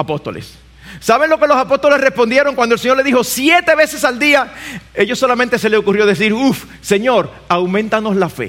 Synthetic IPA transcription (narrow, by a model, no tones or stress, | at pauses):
apost̪o̞̰lḛsː | aβe̞nlo̞ke̞lo̞sapo̞st̪o̞le̞srespond̪je̞ɾo̞ŋkwand̪olseɲole̞ðiho̞sje̞t̪e̞βe̞se̞sald̪iae̞ʝo̞sːo̞lamẽnt̪e̞se̞leokurjo̞ðe̞s̬iɾuf | se̞ɲo̞ɾ | awmẽnt̪ano̞slafḛ